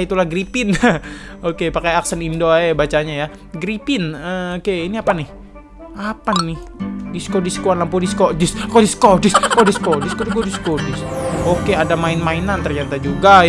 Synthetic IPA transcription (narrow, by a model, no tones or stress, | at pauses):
it̪ulahɡɾipɪn | okepakajaksənindoabat͡ʃaɲaja | ɡɾipɪnəokeiniapanɪh | apanːɪhdiskodiskuanlampodiskodɪskodiskodɪskodiskodiskodiskodiskodɪsokeadamaɪnmainant̪ərɲat̪ad͡ʒuɡa